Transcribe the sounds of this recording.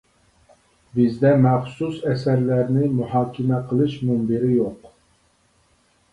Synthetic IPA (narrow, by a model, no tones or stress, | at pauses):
bɪzd̪ɛmɛχsusɛsɛɾlæɾnɪmuhɑːkʲʰɪmɛqʰəlˠɨʃmumbiɾɪjoq